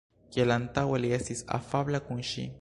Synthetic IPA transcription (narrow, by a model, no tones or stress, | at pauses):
kelant̪aweliesisa̰fablakunʃḭ